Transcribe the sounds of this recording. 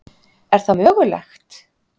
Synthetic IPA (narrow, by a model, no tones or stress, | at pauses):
ɛɾ̥θamœːɣʏɾlɛ̰xt̪